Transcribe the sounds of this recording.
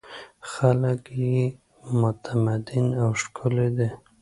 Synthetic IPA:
xaləkje | mʊt̪ʰamad̪ɪnawʃkʰʊled̪e

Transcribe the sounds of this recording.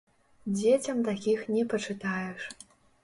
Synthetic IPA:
d͡zʲet͡sʲɐmt̪akʲixnʲɛpɐt͡ʂɨt̪ajɛʂ

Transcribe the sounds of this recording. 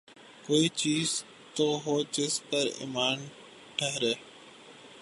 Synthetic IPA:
koːiːt͡ʃiːz | t̪oːɦoːt͡ʃɪspəɾḭːmaːn | ʈʰəɦɾeː

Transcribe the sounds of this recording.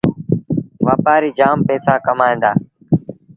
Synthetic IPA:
ʋaːpaːɾiːd͡ʒaːmpɛːsaːkəmaːĩːnd̪a̰ː

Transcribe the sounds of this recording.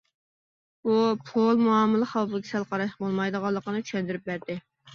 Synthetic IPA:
bupʰolˠmuɑmːɨlˠɨχɑwpɨkʲʰisælˠqʰɑɾɑʃqbolˠmɑjd̪əʁɑlˠːəqənɨt͡ʃʰy̥ʃɛnd̪yɾyp̚bæɾd̪ɪ

